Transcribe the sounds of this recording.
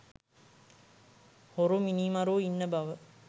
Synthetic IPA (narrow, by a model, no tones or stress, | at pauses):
hoɾuminimɐɾuːinːəbɐʋə